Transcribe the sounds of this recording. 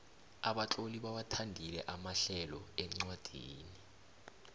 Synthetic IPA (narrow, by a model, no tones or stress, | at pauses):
aɓaǁoliɓawatʰandʱilɛʔamaɬɛlɔem̩ŋ͡ǀwad̥ʱiːni